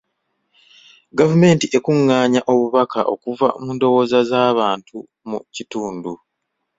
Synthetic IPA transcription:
ɡavume̞ːntiʔe̞kuŋːaːɲaʔo̞βuβakʰa̰ʔo̞̰kuva̰muːndo̞wo̞ːzazaːβaːntu | mucituːndu

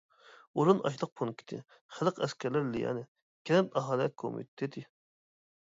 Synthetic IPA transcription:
oɾunʔɑ̰ʃlˠəq̚pʰonkʲʰi̥t̪ʰɪ̰ | χəlˠəqʰɛskʲʰɛɾlæɾlijɑ̰nɨ | kʲʰɛɛpɑɦɑːlˠjɛt̪̚kʰo̰mḭt̪t̪ʰet̪ʰɪ

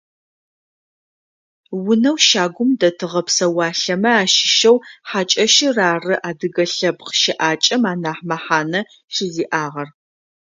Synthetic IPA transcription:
wʊnɐwʃaːɡʷʊmdɐtʰɨʁɐpsɐwɑːɬɐmɐaːʃɪ̥ʃɐwħaːt͡ʃʼɐʃɪraːrɨʔaːdɨɡɐɬɐbqəʃɪʔaːt͡ʃʼɐmaːnaːħmɐħaːnɐ | ʃɪziːʔaːʁɐr

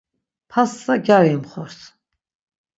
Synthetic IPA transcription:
pʰasːaɡʲaɾimχɔɾs

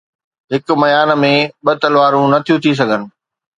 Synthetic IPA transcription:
ɦɪkʊmɐjaːnmẽɓɐt̪ɐlʋaːɾũnɐt̪ʰijũt̪ʰis̬ɐɡʱənɪ̆

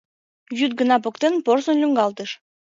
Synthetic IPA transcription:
jyt̪̚ɡə̆nɑp̬okt̪enporsonlʲyŋɡɑlˠt̪əʃ

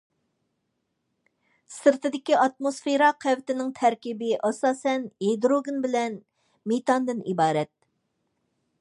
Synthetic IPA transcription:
sɨɾt̪ɨd̪ɪkʲiʔɑt̪̚mosfeɾɑqʰæwt̪ɪnɪŋt̪ʰɛɾkʲibɪʔɑsɑːsɛnɦed̪ɾoɡɪnbɪlɛn | met̪ɑnd̪ɨnibɑːɾɛt̪̚

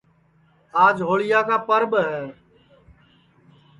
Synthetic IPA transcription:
aːd͡ʒɦoːɭɪjaːkaːpəɾɓɦɛː

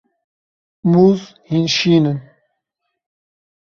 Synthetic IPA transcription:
muz | hinɕiːnən

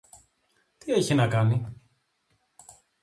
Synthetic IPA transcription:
t̪ie̞çinɐkɐni

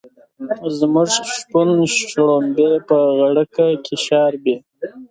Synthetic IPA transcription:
zmʊʐʂpunʃɽombepəɣaɽəkakʰʲiʃɑːɾbe

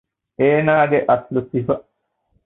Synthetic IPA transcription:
eːnaːɡeʔɐslut̪ifɐ

